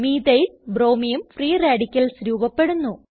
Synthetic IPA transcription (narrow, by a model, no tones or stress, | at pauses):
miːd̪ɐjlbro̞ːmijumfriːraːɖikʲːɐlsɾuːbɐpːe̞ɽunːu